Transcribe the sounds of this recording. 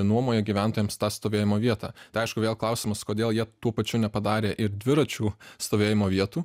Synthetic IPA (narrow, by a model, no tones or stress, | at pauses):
nuɔmoːjɛɡʲiːʋʲæˑnt̪oːjɛmst̪ɑːst̪oːʋʲeːjɪmoːʋʲiɛt̪ɑ̰ːt̪ɐɪɐɪʃkʊʋʲeːlˠklˠɐʊsʲɪmɐskoːd̪ʲeːlˠjiɛt̪uɔpɐt͡ʃʲʊːnʲɛpɐd̪ɑːɾʲeːʔɪɾd̪ʲʋʲɪɾɐt͡ʃʲuːst̪oːʋʲeːjɪmoːʋʲiɛt̪uː